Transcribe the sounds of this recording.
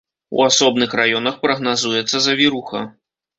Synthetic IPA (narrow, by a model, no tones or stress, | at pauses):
ṵasɔbnɨxrajɔnɐxpɾɐɣnazujɛt̪sːɐzɐvʲiɾuxɐ̰